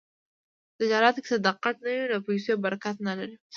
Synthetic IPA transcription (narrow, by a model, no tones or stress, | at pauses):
t̪ɪd͡ʒɑɾɑt̪oke̥t̪ad̪aqːat̪nawinaposojobaɾakat̪nalaɾi